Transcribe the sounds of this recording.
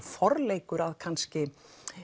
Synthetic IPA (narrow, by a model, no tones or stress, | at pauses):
fɔɾleːjkʏɾaðkʰanscɪ